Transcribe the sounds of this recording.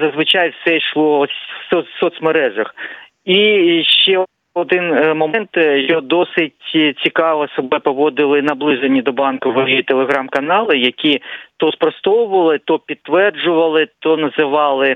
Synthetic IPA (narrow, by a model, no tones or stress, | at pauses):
zɐzʋɪt͡ʃɑjwsɛʃlˠɔsʲsɔsɔt̪smeɾɛʒɐx | iʃt͡ʃɛ | ɔd̪ɪnmɔmɛnt̪jɔd̪ɔsɪtʲt͡sʲikɑʋɐsɔbɛpɔʋɔd̪ɪlˠɪnɐblˠɪzenʲːid̪ɔbɑnkɔʋɔjit̪elˠeɦɾɑmkɐnɑlˠɪjɐkʲit̪ɔspɾɔst̪ɔwʊʋɐlˠɪt̪ɔpʲid̪̚t̪ʋɛrd͡ʒʊʋɐlˠɪt̪ɔnɐzɪʋɑlˠɪ